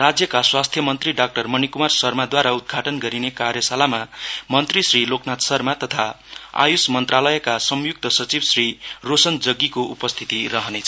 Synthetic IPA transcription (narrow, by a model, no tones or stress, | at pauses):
rad͡zjʌkaswast̪ʰjʌmʌnt̪riɖak̚ʈʌrmʌnikumarsʌrmad̪waɾaud̪̚ɡʱaʈʌnɡʌɾinekarjʌsalamamʌnt̪risriloknat̪sʌrmat̪ʌt̪ʰa | a̰jusmʌnt̪ralʌjʌkasʌmjuk̚t̪ʌsʌt͡sibsrirosʌnd͡zʌɡːikoʔupʌst̪ʰit̪iɾʌɦʌnet͡sʰʌ